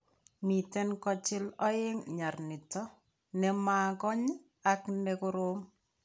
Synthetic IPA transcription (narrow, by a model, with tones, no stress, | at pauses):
mi˨tɛ˦nkɔ˦t͡ʃɪ˦lɔ˦ɪ˦ŋɲa˨rnɪ˨tɔ˦ | nɛ˦maːkɔ˦ɲɪ˦ | aknɛkʊɾo˦ŋ